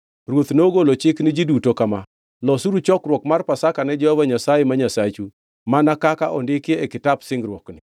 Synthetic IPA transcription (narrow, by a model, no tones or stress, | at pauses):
rwot̪noɡolot͡ʃɪknɪd͡ʒidutokama | lɔsuɾut͡ʃɔkɾwɔkmarpasakanɛd͡ʒɔhɔvaɲasajemaɲasat͡ʃu | manakakaʔɔndɪkeekɪtabsɪŋɡɾwɔknɪ